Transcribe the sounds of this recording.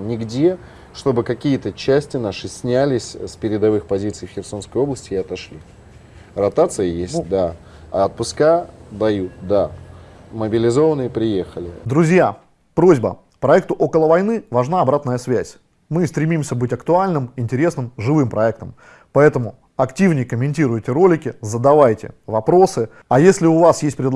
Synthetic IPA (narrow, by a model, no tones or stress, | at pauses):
nʲɪɡdʲe | ʂt̪o̞bɨkɐkʲijət̪ət͡ɕːæsʲtʲɪnaʂɨsʲnʲælʲɪsʲspʲɪɾʲɪd̪ɐvɨxpɐzʲit̪sɨjfxʲɪrso̞nskəjo̞bləsʲtʲɪɪɐt̪ɐʂlʲi | rɐt̪at̪sɨjəjesʲt̚ʲd̪a | aɐt̪̚pʊskad̪ɐjut̪̚d̪a | məbʲɪlʲɪzo̞vənɨjəpɾʲɪjexəlʲɪ̰d̪ɾʊzʲja | pɾo̞zʲbə̰ | pɾɐɛk̚t̪ʊʔo̞kəlˠəvɐjnɨvɐʐnaɐbɾat̪nəjəsvʲæsʲ | mɨst̪ɾʲɪmʲimsʲəbɨtʲɐkt̪ʊalʲnɨmɪnʲtʲɪɾʲe̞snɨmʐɨvɨmpɾɐɛk̚t̪əm | pɐɛt̪əmʊ | ɐktʲivnʲɪjkəmʲɪnʲtʲiɾʊjtʲɪɾo̞lʲɪkʲɪzəd̪ɐvajtʲɪ̰vɐpɾo̞sɨ | ɐjesʲlʲɪʊvasjesʲt̚ʲpɾʲɪd̪